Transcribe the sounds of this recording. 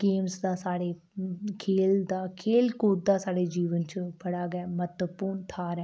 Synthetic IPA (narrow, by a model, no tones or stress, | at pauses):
ɡeːmsd̪aːsaːɽeː | kʰeːld̪aːkʰeːlkuːt̪̚d̪aːsaːɽeːd͡ʒiːʋənt͡ʃbəɽaːɡɛːmət̪əpuːnt̪ʰaːɾɛː